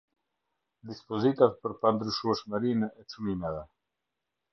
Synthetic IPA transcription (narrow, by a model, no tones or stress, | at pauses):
d̪ispɔzit̪at̪pəɾpand̪ɾyʃuɛʃmɛɾinɛɛt͡sunimɛðɛ